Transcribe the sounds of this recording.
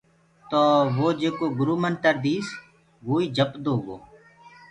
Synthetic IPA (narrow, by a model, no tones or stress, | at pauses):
t̪oːʋoːd͡ʒeːkoːɡʊɾuːmənt̪əɾd̪iːs | ʋoːiːd͡ʒəpd̪oːɡoː